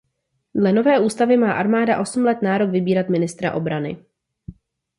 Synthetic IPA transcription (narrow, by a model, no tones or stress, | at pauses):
dlɛno̞vɛːʔuːst̪avɪmaːʔaɾmaːdaʔo̞sm̩lɛt̪naːɾo̞kvɪbiːɾat̪mɪnɪst̪ɾa̰ʔo̞bɾanɪ̰